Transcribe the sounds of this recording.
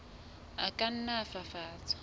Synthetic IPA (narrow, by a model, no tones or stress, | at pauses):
akʼan̩nafafaːt͡sʼḁ